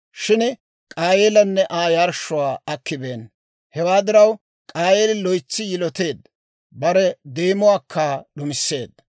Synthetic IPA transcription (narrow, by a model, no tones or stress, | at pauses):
ʃɪn | kʼaːjelɐnːɛʔaːjaɾʃʊwaːɐkːɪbeːn | hɛwaːd̪ɪɾɐw | kʼaːjeːlɪlɔjt͡sːɪjɪlɔt̪e̞ːd̪ | bɐɾɛd̪eːmʊwaːkːaːɗʊmɪsːe̞ːd̪̚